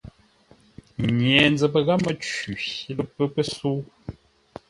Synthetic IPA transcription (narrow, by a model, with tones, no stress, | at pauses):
ɲjɛ˨nd͡zə˨pə˦ɣa˦mə˦t͡ʃi˨˦lə˨pə˦pə˦suː˦